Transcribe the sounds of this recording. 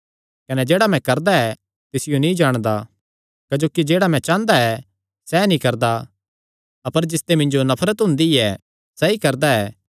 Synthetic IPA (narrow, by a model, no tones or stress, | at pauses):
kɐnɛd͡ʒeːɽamɛ̃kɐɾd̪aɛ | t̪ɪsɪjonĩd͡ʒaːɽ̃d̪a | kɐd͡ʒoːkid͡ʒeːɽamɛ̃t͡ʃãːnd̪aɛ | sɛnĩkɐɾd̪a | ɐpəɾd͡ʒɪst̪emɪ̃nd͡ʒonɐpʰɾət̪ɦʊ̃nd̪iɛ | sɐikɐɾd̪aɛː